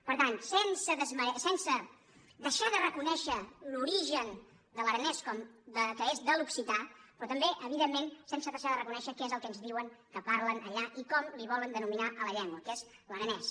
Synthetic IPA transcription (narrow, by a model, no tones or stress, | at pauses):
pəɾt̪ansensəðəzməsɛnsə | d̪əʃaðərəkunɛʃəluɾiʒən | d̪əlˠəɾənɛskɔmd̪əkəezðəluksit̪apɾɔt̪əmbeʔəβiðemːensensəðəʃaðərəkunɛʃəkɛezəlˠkənzðiwəŋkəpaɾlənəʎaʔikɔmliβ̞ɔlənd̪ənuminaʔələʎɛŋɡwəkezləɾənɛs